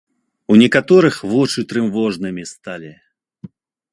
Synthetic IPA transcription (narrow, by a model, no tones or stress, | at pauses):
unʲɛkat̪ɔɾɨxvɔt͡ʂɨt̪ɾɨmvɔʐnɨmʲist̪alʲi